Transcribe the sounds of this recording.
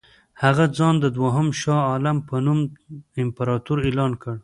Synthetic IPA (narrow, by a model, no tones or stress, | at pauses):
haɣad͡zɑnd̪əd̪waɦəmʃɑɑlampənumɪmpaɾɑt̪uɾelɑnkəɽ